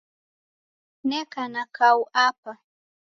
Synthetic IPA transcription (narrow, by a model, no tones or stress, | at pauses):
nekanakawapa